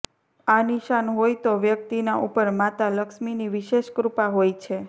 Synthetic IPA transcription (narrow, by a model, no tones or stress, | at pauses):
aniʃanɦojt̪oʋjək̚t̪inaʔupəɾmat̪aləkʃminiʋiʃeʃkɾupaɦojt͡ʃʰe